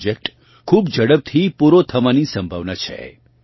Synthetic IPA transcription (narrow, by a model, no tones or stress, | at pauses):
d͡ʒek̚ʈ | kʰuːbd͡ʒəɽəb̚t̪ʰipuɾot̪ʰɐmanisə̃mbʱəʋnat͡ʃʰɛ̰